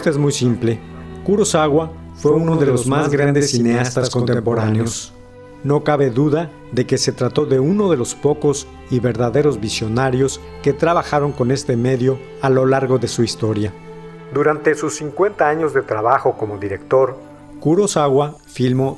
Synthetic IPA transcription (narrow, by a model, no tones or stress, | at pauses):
st̪oezmujsimple̞kuɾosaɣwa | fweunoðeloozmazɡɾand̪esːineast̪askont̪empoɾaneos | no̞kaβe̞ðuða | ðe̞ke̞se̞t̪ɾat̪o̞ðe̞uno̞ðe̞lo̞spo̞ko̞s | iβe̞ɾðaðe̞ɾo̞zβisjo̞naɾjo̞s | ke̞t̪ɾaβ̞axaɾo̞ŋko̞ne̞st̪e̞me̞ðjo̞ | alo̞laɾɣo̞ðe̞suist̪o̞ɾja | d̪uɾant̪esusiŋkwe̞nt̪aaɲo̞zðe̞t̪ɾaβaxo̞ko̞moðiɾekt̪o̞ɾ | kuɾosaɣwa | filmo